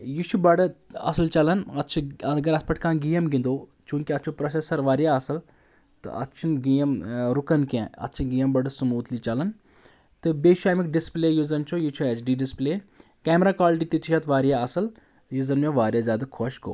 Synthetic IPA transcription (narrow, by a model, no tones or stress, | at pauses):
jut͡ʃʰubɐɖɐ̰sɐlt͡ʃɐlɐnɐt̪ːt͡ʃʰuɐɐɡɐɾɐspɐʈʰkãːnɡijɐmɡĩnd̪oːt͡ʃũːkʲiɐt̪ːt͡ʃʰupɾɐsesɐɾʋaːɾijaɐsɐl | t̪ɨ̰ʔɐ̰t̪ːt͡ʃʰunɡijɐmɾukɐnkẽːɐ̰t̪ːt͡ʃʰinɡijɐmbɐɖɨsumuːt̪lit͡ʃɐlɐn | t̪ɨbeːt͡ʃʰuaːmikɖispleːjuzɐnt͡ʃʰojit͡ʃʰuɛt͡ʃɖiːɖispleːkɛːmɾaːkaːlʈit̪it̪ʰiʃʰɐt̪ʋaːɾjaɐsɐl | juzɐnmʲẽʋaːɾʲjazʲjaːd̪ɐkʰoʃko̰ː